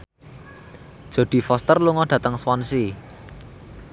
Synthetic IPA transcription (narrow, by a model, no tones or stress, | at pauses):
d̥ʒ̥o̤d̪̥i̤fɔst̪ərluŋɔɖ̥ä̤t̪əŋswɔnsi